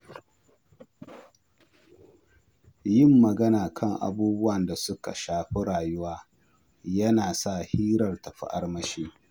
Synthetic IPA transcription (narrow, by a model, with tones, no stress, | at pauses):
jɪ˦˨mːɐ˨ɡɐ˦naː˨kʰɐ˦˨ŋʔa̰˨buː˦bʊ˦wɐ˨nda˨sʊ˦ka̰˨ʃaː˨ɸe˦ɽaː˨jʊ˦waː˦ | jɐ˦naː˨sa˦˨hiː˦ɾɐ˨rtɐ˨ɸḭ˦ʔa̰˦rmɐ˦ʃiː˦